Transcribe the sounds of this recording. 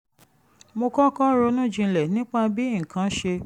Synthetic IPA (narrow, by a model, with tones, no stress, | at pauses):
mo˧kɔ˦kɔ˦ɾo˧˦nũ˦˨d͡ʒĩ˧lɛ˨nĩ˦k͡pa˧bi˦˨kʰã˨˦ʃe˧